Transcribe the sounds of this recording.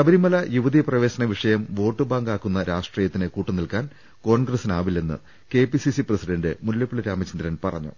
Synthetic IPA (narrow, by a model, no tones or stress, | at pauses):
sɐbɐɾimɐlɐjuʋɐðiprɐʋeːɕɐnɐʋiʂɐjɐmʋo̞ːʈːɨbaːŋɡaːkːunːɐɾʔaːʂʈriːjɐt̪ːinekuːʈːɨnilkaːn | ko̞ːɳɡrɐsinaːʋile̞nːɨ̰ | ke̞ːpisisiprɐsiɖɐɳɖɨmuljɐpːiɭiɾaːmɐt͡ɕind̪ɾɐnpɐrɐ̰ɲːṵ